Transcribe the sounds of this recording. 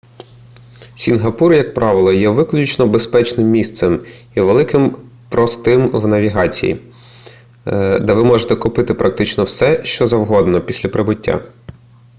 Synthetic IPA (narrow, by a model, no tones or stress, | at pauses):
sʲinɦɐpurjɐk̚pɾʔɑʋɪlˠɔjɛʋɪklʲʊt͡ʃnɔbespɛt͡ʃnɪmːʲist̪sɛmiʋelˠɪkɪmpɾɔst̪ɪmwnɐʋʲiɦɑt͡sʲḭjḭ | d̪ɛʋɪmɔʒet̪ɛkʊpɪt̪ɪpɾʔɐk̚t̪ɪt͡ʃnɔwsɛʃt͡ʃɔzɐwɦɔd̪nɔpʲisʲlʲɐpɾɪbʊtʲːa̰